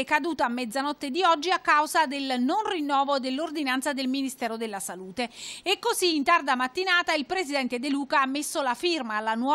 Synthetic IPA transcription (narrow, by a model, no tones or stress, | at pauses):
kad̪uːt̪aːmːɛd̪zanɔt̪ːed̪iɔd͡ʒːiakːawzad̪elnonrinːɔːvod̪elːord̪inant̪sad̪elminist̪ɛːɾod̪elːasaluːt̪eːkːoziːnt̪ard̪amat̪ːinaːt̪ailpɾesid̪ɛnt̪ed̪eluːkaamːesːolafirmaːlːanwɔ